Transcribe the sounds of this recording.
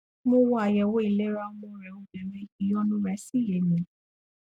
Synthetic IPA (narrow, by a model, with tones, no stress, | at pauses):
mõ˧wɔ˧˦a˨jɛ˨wo˦i˨le˦ɾa˧˦mɔ̃˧ɾɛ˨o˧˦dɛ˨ɾẽ˧˨ki˨˦ɔ˧nũ˦ɾɛ˨˧˦si˦je˨mĩ˨˦